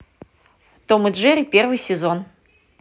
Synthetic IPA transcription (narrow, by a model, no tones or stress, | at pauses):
t̪omɨd̪ʐeɾʲɪpʲe̞rvɨjsʲɪzo̞n